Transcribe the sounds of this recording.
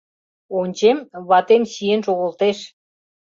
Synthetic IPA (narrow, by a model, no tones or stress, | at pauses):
onʲt͡ɕemβɑt̪emɕijenʃoɣə̆lt̪eʃ